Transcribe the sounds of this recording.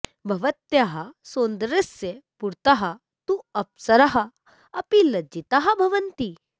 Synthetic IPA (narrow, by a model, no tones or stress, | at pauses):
bʱɐʋɐt̪jaɦɐsoːnd̪ɾesjepuɾt̪aɦɐ | t̪ũɐpsɐɾɐɦɐ | ɐpilɐd͡ʒit̪aɦɐbʱɐʋɐnt̪i